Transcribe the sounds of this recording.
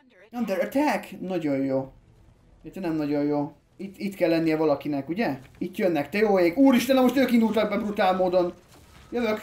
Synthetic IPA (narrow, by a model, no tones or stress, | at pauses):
nɒmd̪ɛøt̪ɛɛknɒɟo̞jjoː | ɛt̪ɛnɛmnɒɟo̞jjoː | it̪ːit̪kɛlːɛnːijɛvɒlɒkinɛkuɟɛit̪jønːɛkt̪ɛjoːeːɡuːɾiʃt̪ɛnɛmoʃt̪øːkind̪ult̪ɒɡ̚bɛbrut̪aːlmoːd̪o̞n | jøvøk